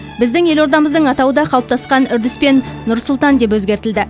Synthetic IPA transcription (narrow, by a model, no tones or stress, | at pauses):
bɪzd̪ɪŋe̞lo̞ɾd̪ɑməzd̪əɴɑt̪ɑwəd̪ɑqʰɑlˠəp̚t̪ɑsqɑnʏɾd̪ɪspe̞nːʊɾsʊlˠt̪ɑnd̪e̞p̬wɵzɡʲe̞ɾt̪ɪld̪ɪ